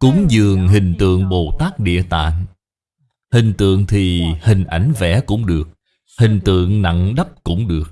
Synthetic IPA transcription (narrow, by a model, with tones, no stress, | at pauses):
kʊ˨˦ŋ͡mzɨ˨˩əŋɦï˨˩ŋ̟t̪ɨ̰˧˨əŋɓo˨˩t̪aː˦˥k̚ɗḭ˧˨ət̪a̰ː˧˨n | hï˨˩ŋ̟t̪ɨ̰˧˨əŋt̪ʰi˨˩hï˨˩ŋ̟ʔa˨˩jŋ̟vɛ̰˧˩kʊ̰˧˥ŋ͡mɗɨ˨˩ək̚ | hï˨˩ŋ̟t̪ɨ̰˧˨əŋna̰˧˨ŋɗə˦˥p̚kʊ̰˧˥ŋ͡mɗɨ˨˩ək̚